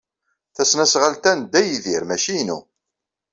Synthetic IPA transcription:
θæsnæsʁalt̪ænd̪ːæjðiɾmæʃinṵ

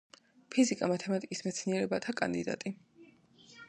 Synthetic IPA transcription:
pʰizikʼamat̪ʰɛmat̪ʼikʼismɛt̪sʰniɛɾɛbat̪ʰakʼa̰nd̪id̪a̰t̪ʼi

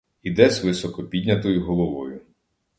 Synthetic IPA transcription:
id̪ɛzʋɪsɔkɔpʲidʲnʲɐt̪ɔjʊɦɔlˠɔʋɔjʊ

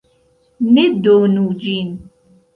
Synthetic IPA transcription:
med̪onud͡ʒin

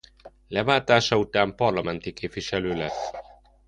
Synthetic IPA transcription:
lɛvaːt̪aːʃɒut̪aːmpɒrlɒmɛnt̪ikeːpviʃɛløːlɛsː

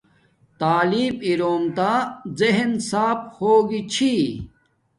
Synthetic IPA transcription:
t̪aːliːbiɾoːmt̪azeɦnsaːphoːɡit͡ɕʰi

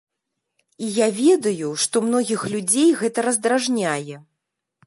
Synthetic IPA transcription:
ijavʲɛd̪ɐjuʂt̪ɔmn̪ɔɣʲixlʲud͡zʲejɣɛt̪ɐɾɐzd̪ɾaʐnʲajɛ

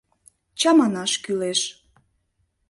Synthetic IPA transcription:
t͡ɕɑmɑnɑʃkyleʃ

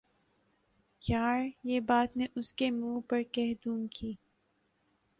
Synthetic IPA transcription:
jaːɾjeːbaːt̪neʔʊskemũːpɐɾkɛɦd̪ũːŋkʰiː

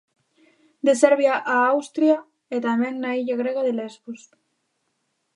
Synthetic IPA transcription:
d̪esɛɾβjaʔaawst̪ɾja | et̪ameŋnaiʎaɣɾeɣaðelezβus

